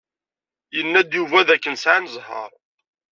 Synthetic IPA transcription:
jənːæd̪juvæðækːənsʕanəzˤɦə̰ɾˤ

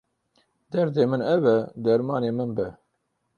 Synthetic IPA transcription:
d̪ɛɾd̪eːmɨnɛvɛd̪ɛɾmɑːneːmɨnbɛ

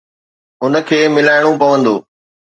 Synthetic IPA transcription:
ʊnə̆kʰeːmɪlaːɪɽ̃õpɐʋə̃nd̪oː

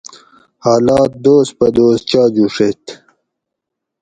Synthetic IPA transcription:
haːlaːt̪̚d̪oːs̚pɐd̪oːs̚t͡ɕaːd͡ʑuʂet̪

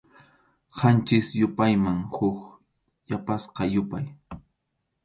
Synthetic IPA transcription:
qant͡ʃɪsjʊpajmaŋhʊk | japasqɑjʊpaj

